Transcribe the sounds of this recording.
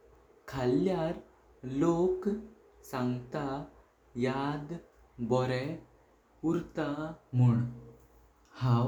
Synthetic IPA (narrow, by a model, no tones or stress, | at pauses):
kʰaljaɾ | lok | sãŋɡt̪a | jad̪ | bɔɾɛ | uɾt̪amuɳ | hãw